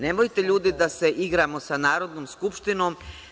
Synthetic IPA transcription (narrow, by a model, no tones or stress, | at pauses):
nemojt̪e̞ʎuːd̪id̪ase̞ʔiɡɾamo̞sanaːɾo̞d̪noːmskupʃt̪ino̞ːm